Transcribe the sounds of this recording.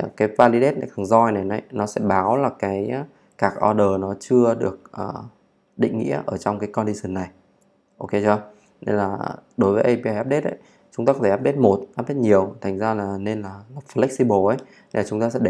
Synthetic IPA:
kaː˨˦jvaː˧li˨˦ɗe˦˥t̚na˨˩jk̪ʰɨ˨˩ŋzɔ˧jna˨˩jna˨˩jnɔ˨˦sɛ̰˧˥ɓaː˨˦wlaː˨˩kaː˨˦j | kaː˦˥k̚ʔɔ˧ɗəː˨˩nɔ˨˦t͡ɕɨ˧əɗɨ˨˩ək̚ʔəː˨˩ | ɗḭ̈˧˨ŋ̟ŋḭ˧˥əʔəː˧˩t͡ɕɔ˧wŋ͡mkaː˨˦jkɔ˧nɗi˧sɨ˧˩nːa˨˩j | ʔo˧ke˧t͡ɕɔ˧ | ne˧nlaː˨˩ɗo˨˦jvəː˨˦ʔə˧jpi˧ʔaː˧jʔaː˦˥p̚ɗe˦˥t̚ʔə̰˧˨˦j | t͡ɕʊ˨˦ŋ͡m̪aː˧kɔ˨˦t̪ʰe˩˨aː˦˥p̚ɗe˦˥t̚mo˨˩t̚ʔaː˦˥p̚ɗe˦˥t̚ɲi˨˩əwt̪ʰa˨˩ŋ̟zaː˧laː˨˩ne˧nlaː˨˩la˨˩p̚flɛ˦˥k̚si˧ɓo˨˩ʔə˨˦j | na˨˧jlaː˨˩t͡ɕʊ˨˦ŋ͡mt̪aː˧sɛ̰˧˥ɗe˧˩

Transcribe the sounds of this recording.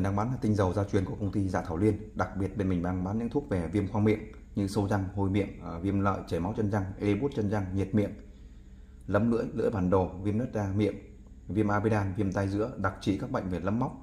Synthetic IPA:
ɗaː˧ŋɓaː˨˦nlaː˨˩t̪ï˧ŋ̟zə˨˩wzaː˧t͡ɕwi˨˩ənku˧˩kə˧wŋ͡mt̪i˧za̰ː˧˨t̪ʰaː˧˩wlwi˧ənɗa˨˩k̚ɓi˨˩ət̚ɓe˧nmi˨˩ŋ̟ɗaː˧ŋɓaː˨˦nɲɨ̰˧˥t̪ʰu˦˥ək̚ve˨˩vi˧əmxwaː˧ŋmḭ˧˨əm | ɲɨ̰˧sə˧wza˧ŋho˧jmḭ˧˨əmvi˧əmlə̰ː˧˨jt͡ɕe˧˩ma˨˦wt͡ɕə˧nza˧ŋʔe˧ɓu˦˥t̚t͡ɕə˧nza˧ŋɲe˨˩t̚mḭ˧˨əm | lə˨˦mlɨ̰˧˥əjlɨ̰˧˥əjɓaː˧˩nɗo˨˩vi˧əmnə˦˥t̚zaː˧mḭ˧˨əm | vi˧əmʔaː˧vi˧ɗaː˧nvi˧əmt̪a˧jzɨ̰˧˥əɗa˨˩k̚t͡ɕḭ˧˨kaː˦˥k̚ɓə̰˧˨jŋ̟ve˨˩lə̰˨˦mːa˦˥wk͡p̚

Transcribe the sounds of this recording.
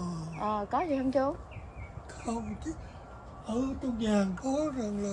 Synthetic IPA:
ʔəː˨˩kɔ˨˦zi˨˩hə˧ŋ͡mt͡ɕu˧ | kɔ˧˦m˨˩k | ʔəː˧˩t̪o˧ŋ͡mɲaː˨˩ŋkɔ˨˦za˨˩ŋlaː˨

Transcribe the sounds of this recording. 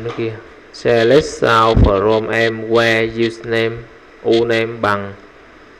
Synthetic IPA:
n˦ki˧ | sɛ˧lɛ˦˥s̚saː˧wfə˨˩ɾɔ˧mʔɛ˧mkwɛ˧ju˧snɛ˧m | ʔu˧nɛ˧mɓa˧ŋ

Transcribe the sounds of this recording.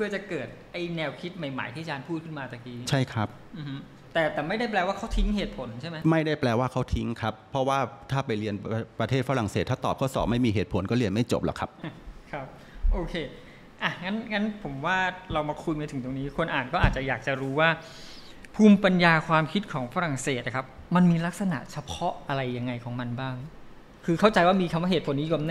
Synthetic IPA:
pʰɯ˥˩ət͡ɕa˨˩kɤː˨˩t̪̚ʔa˧jnɛː˧wkʰi˦˥t̪̚ma˨˩jma̰˨˩˦jt̪ʰiː˥˩t͡ɕaː˧npʰuː˥˩t̪̚kʰɯ˥˩nmaː˧t̪ʰaː˨˩kiː˧˩t͡ɕʰa˥˩jkʰɾa˦˥p̚ | ʔɯː˨˩hɯ˦˥ | t̪ɛː˨˩t̪ɛː˨˩ma˥˩jda˥˩jplɛː˧waː˥˩kʰa˦˥wt̪ʰi˦˥ŋɦeː˨˩t̪̚pʰo˨˩˦nt͡ɕʰa˥˩jma˦˥ma˥˩jda˥˩jplɛː˧waː˥˩kʰa˦˥wt̪ʰi˦˥ŋkʰa˦˥pʰːɔ˦˥waː˥˩t̪ʰaː˥˩pa˧jli˧ənpɾa˧t̪ʰeː˥˩t̪̚fa˧˦ɾa˨˩ŋseː˨˩t̪ʰːaː˥˩t̪ɔː˨˩p̚kʰa˦˥wsɔ̰ː˩˦ma˥˩jmiː˧ɦeː˨˩t̪̚pʰo˩˦nkɔː˥˩li˧ənma˥˩jt͡ɕo˨˩p̚lɔ̰˨˩kʰɾa˦˥p̚kʰɾa˦˥p̚ | ʔoː˧kʰeː˧ | ʔa˧˩ŋa˦˥nŋa˦˥npʰo˩˦mwaː˥˩ɾa˧wmaː˧kʰu˧jmaː˧t̪ʰɯ˩˦ŋt̪o˧ŋniː˦˥kʰo˧nʔaː˨˩nkɔː˥˩ʔaː˨˩t̪̚t͡ɕa˨˩jaː˨˩k̚t͡ɕa˨˩ɾuː˦˥waː˥˩ | pʰuː˥˩mpa˧njaː˧kʰwaː˧mkʰi˦˥t̪̚kʰɔː˩˦ŋfa˧˥ɾa˨˩ŋseː˨˩t̪̚kʰa˦˥p̚ma˧nmiː˧la˦˥k̚sa˧na̰˨˩ʔt͡ɕʰa˧pʰɔ˦˥ʔa˧ɾa˧jːa˧ŋːa˧jkʰɔː˩˦ŋma˧nbaː˥˩ŋ | kʰɯː˧kʰa˥˩wt͡ɕa˧jwaː˥˩miː˧kʰa˧mwa˥˩eː˨˩t̪̚pʰnːiː˦˥ju˨˧˩mn˥

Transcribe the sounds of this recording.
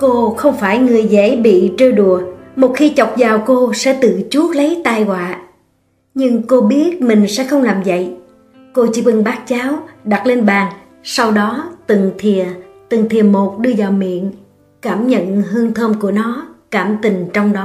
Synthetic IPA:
ko˧xə˧wŋ͡mfaː˧˩jŋɨ˨˩əjze˧˥˦ɓḭ˧˨t͡ɕəː˧jɗu˨˩əmo˨˩t̚xi˧t͡ɕɔ˨˩wk͡p̚zaː˨˩wko˧sɛ̰˧˥t̪ɨ̰˧˨t͡ɕu˦˥ək̚lə˨˦jt̪aː˧jɣwaː˧˨ | ɲɨ˧ŋko˧ɓi˦˥ət̚mï˨˩ŋ̟sɛ̰˧˥xə˧wŋ͡mlaː˨˩mzə̰˧˨j | ko˧t͡ɕi˧˦vɨ˨˧˩ŋɓaː˦˥k̚t͡ɕaː˨˦wɗa˨˩t̚le˧nɓaː˨˩ŋ | sa˧wɗɔ˨˦t̪ɨ˨˩ŋt̪ʰi˨˩ət̪ɨ˨˩ŋt̪ʰi˨˩əmo˨˩t̚ɗɨ˧əzaː˨˩wmḭ˧˨ən | kaː˧˩mɲə̰˧˨nɦɨ˧əŋt̪ʰəː˧mku˧˩ənɔ˨˦kaː˧˩mt̪i˨˩ŋ̟t͡ɕɔ˧wŋ͡mɗɔ˨˦

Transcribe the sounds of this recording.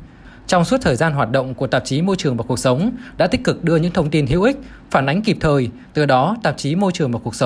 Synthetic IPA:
t͡ɕɔ˧wŋ͡msu˦˥t̚t̪ʰəː˨˩jzaː˧nɦwaː˨˩t̚ɗə̰˧˨wŋ͡mku˧˩ət̪aː˨˩p̚t͡ɕi˨˦mo˧jt͡ɕɨ˨˩əŋvaː˨˩ku˨˩əsə˨˦wŋ͡mɗa̰ː˧˥t̪i˦˥k̟kɨ˨˩k̚ɗɨ˧əɲɨ̰˧˥ŋt̪ʰə˧wŋ͡mt̪i˧nɦḭ˧˥ʔï˦˥k̟̚ | faː˧˩nʔa˨˦jŋ̟ki˨˩p̚t̪ʰəː˨˩j | t̪ɨ˨˩ɗɔ˨˦t̪a̰ː˨˩p̚t͡ɕi˨˦mo˧jt͡ɕɨ˨˩əŋvaː˨˩ku˨˩ək̚sə˨˦wŋ͡m

